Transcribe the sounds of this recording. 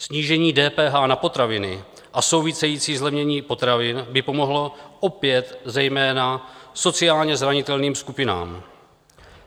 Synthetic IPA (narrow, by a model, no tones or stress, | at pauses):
sɲiːʒɛɲiːdɛːpɛːɦaːnapo̞t̪ɾavɪnɪ | ʔaso̞wvɪsɛjiːt͡siːzlɛvɲɛɲiːpo̞t̪ɾavɪnbɪpo̞mo̞ɦlo̞ʔo̞pjɛt̪zɛjmɛːnaso̞t͡sɪaːlɲɛzɾaɲɪt̪ɛlniːmskupɪna̰ːm